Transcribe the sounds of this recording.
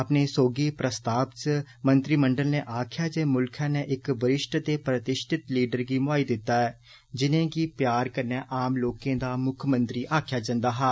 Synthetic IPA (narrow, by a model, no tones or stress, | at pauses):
əpneːsoːɡiːpɾəst̪aːbt͡ʃə | mənt̪ɾiːməɳɖəlneːʔaːkʰjaːd͡ʒeːmʊlkʰãːneːʔɪkbəɾɪʃʈt̪eːpɾət̪ɪʃʈʰɪt̪liːɖəɾɡiːmʊaːiːd̪ɪt̪ːaːɛː | d͡ʒɪnẽːɡiːpjaːɾkəɾneːʔaːmloːkẽːd̪aːmʊkʰmənt̪ɾiːʔaːkʰjaːd͡ʒə̃nd̪aːɦaː